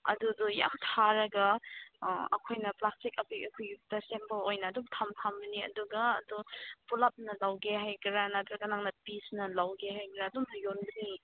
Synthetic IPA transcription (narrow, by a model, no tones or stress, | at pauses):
ɐ̰duduja̰mtʰaɾɐɡɐ | ɐkʰojnɐplastik̚ɐpʰujɐkʰojɡtɐsempɐlojnɐːdumtʰamtʰambɐniɐ̰duɡɐ̰ːdupulap̚nɐlawɡeɦajkɾanatɾɐɡɐnaŋnɐpisnɐlawɡeɦajkɾaɐdumnɐjonbɯŋi